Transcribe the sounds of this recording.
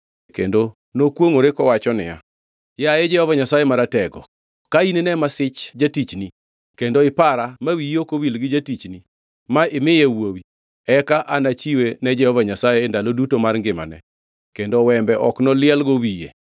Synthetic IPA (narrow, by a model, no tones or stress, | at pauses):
kḛndo | nokwoŋoɾɪkɔwat͡ʃɔnɪ̰ja̰ | jaɛd͡ʒɛhɔvaɲasajemaɾatɛɡɔ̰ | kaininɛmasɪt͡ʃd͡ʒatit͡ʃni | kendoɪpaɾamawijokowilɡɪd͡ʒatit͡ʃni | maɪmɪjewowi | ɛkaʔanat͡ʃiwenɛd͡ʒɛhɔvaɲasajendalodutomarŋɡɪma̰nɛ̰ | kendowɛmbɛʔɔknɔlɪɛlɡowijḛ